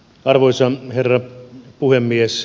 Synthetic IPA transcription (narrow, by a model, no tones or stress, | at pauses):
ɑrʋojsɑherːɑpuhemːies